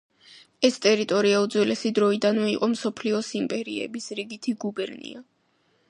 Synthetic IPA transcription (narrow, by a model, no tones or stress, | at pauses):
ɛst̪ʼɛɾit̪ʼɔɾiaud̪zwɛlɛsid̪ɾɔid̪anvɛiqʼɔmsɔpʰliɔsimpʼɛɾiɛ̰bisɾiɡit̪ʰiɡubɛɾnḭa